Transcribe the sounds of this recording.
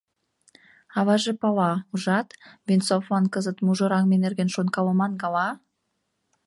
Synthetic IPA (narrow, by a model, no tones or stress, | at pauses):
ɑβɑʒɤ̆pɑlɑuʒɑt̪vʲensoflɑnkəzə̆t̪muʒoɾɑŋmenerɡenʃonkɑlə̆mɑnɡɑlɑ